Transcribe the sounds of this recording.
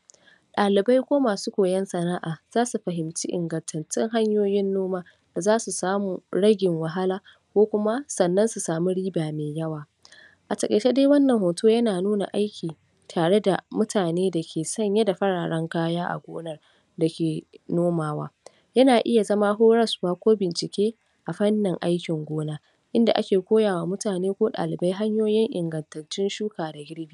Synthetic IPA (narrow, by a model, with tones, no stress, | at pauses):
ɗaː˨lɪ˨ba˦jkʷoː˦maː˨suː˦kʷoː˨jɛ˦nsɐ˨naː˦ʔaː˨z̥aː˦su˨ɸɐ˨ɦɪ˨mt͡ʃi˦ʔɪ̰˨ŋɡɐ˨ntʰɐ˨nt͡ʃɪ˦ŋɦa˦ɲjoː˦jɪ˦nːoː˦maː˦ | d̥a˨zaː˦su˨saː˦muː˨ɽɐ˦ɡʲɪ˨ŋwɐ˨ɦa˦laː˦ | kʷoː˦kʷʊ˦ma˦sɐ˨nːɐ˦nsu˨saː˨mu˦ɽiː˦baː˨meː˨jɐ˦waː˨ | ʔa˨tɐ˨kʼɐ˨t͡ʃe˦daː˦wɐ˦nːɐ˨ŋhoː˨tʰoː˦jɐ˦naː˨nuː˦na̰˨ʔa˦jkʲʰiː˨ | tʰaː˨ɽe˦da˨mʊ˦tʰaː˨neː˦da˨kʲʰeː˨sɐ˦˨ɲja˦da˨ɸɐ˦ɽaː˨ɽɐ˦ŋkaː˦jaː˦ʔa̰˨ɡʷoː˦nɐ˦r | da˨kʲeː˨noː˦maː˨wa̰ː˦ | jɐ˦naː˨ʔɪ˦ja˨zɐ˦maː˦ɦoː˦ɽɐ˦su˨waː˦kʷoː˦bɪ˨nt͡ʃɪ˨kʲeː˦ | ʔa˨ɸɐ˦nːɪ˨ŋʔa˦jkʲɪ˨ŋɡʷoː˦naː˦ | ʔɪ˦nda̰˨ʔa̰˦kʲeː˨kʷoː˦jaː˨waː˨˦mʊ˦taː˨neː˦kʷoː˦ɗa̰ː˨lɪ˨ba˦jɦa˦ɲjoː˦jɪ˦ŋʔɪ˨ŋɡɐ˨ntɐ˨rt͡ʃːɪ˦nʃuː˦kaː˨da˨ɡʲɪ˦ɽbiː˦